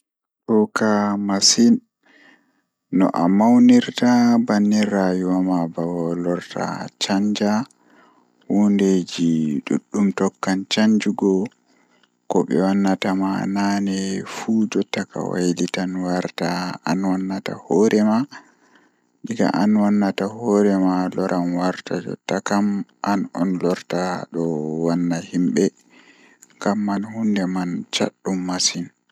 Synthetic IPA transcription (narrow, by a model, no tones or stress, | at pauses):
ʔukamasin | nɔ̰ʔamawniɾtabanːirajuwamabawɔlɔɾta̰t͡ʃaɲd͡ʒa | wunded͡ʒiɗṵɗːumtɔkːant͡ʃaɲd͡ʒuɡɔ | kɔɓɛwanːatamananɛfud͡ʒɔtːaka̰wa̰jlitanwaɾtaanwanːata̰hɔɾʔɛma | ɗiɡa̰ʔanwanːatahɔɾɛmalɔɾʔamwaɾtad͡ʒɔ̰tːakamʔanɔnlɔɾtaɗɔwanːahimɓɛ | ŋɡamːanhundɛmant͡ʃa̰ɗːumːasin